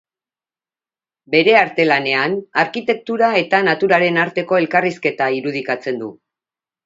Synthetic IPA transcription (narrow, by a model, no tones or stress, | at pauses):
be̞ɾe̞aɾt̪e̞lane̞anaɾkit̪e̞k̚t̪uɾae̞t̪anat̪uɾaɾe̞naɾt̪e̞ko̞e̞lkariske̞t̪aiɾuð̞ikat͡se̞nd̪u